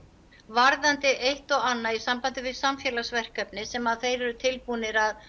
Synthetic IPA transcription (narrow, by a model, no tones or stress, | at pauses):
vaɾðant̪ɪʔejht̪ɔɣanːaisampant̪ɪvɪðsamfjɛːlasvɛr̥kœpnɪsɛmaðθejɾɛɾʏt̪ʰɪlpunɪɾað